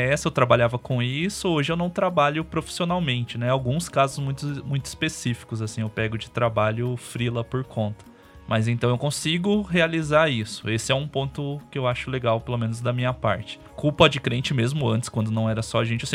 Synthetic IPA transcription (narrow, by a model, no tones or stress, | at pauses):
ɛsɪewt̪ɾabaʎavɐkõisʊoʒɪewnɐ̃w̃t̪ɾabaʎʊpɾofi̥sionawmẽnt͡ʃɪnɛawɡũskazʊzmũj̃t̪ʊmũj̃t̪ʊi̥spesifi̥kʊzasĩewpɛɡʊd͡ʒɪt̪ɾabaʎʊfɾilɐpoɾkʰõnt̪ɐ̥ | mɐzẽnt̪ɐ̃w̃eɪwkõsiɡʊɦealizaisʊ̥esɪɛũpõnt̪ʊkɪewaʃʊleɡawpelomẽnʊzd̪ɐmĩɲɐpa̰ɾt͡ʃɪ̥kuwpɐd͡ʒɪkɾẽnt͡ʃɪmezmʊɐ̃nt͡ʃ̪ɪ̥skwɐ̃nd̪ʊnɐ̃w̃ɛɾɐsɔaʒẽnt͡ʃɪsẽ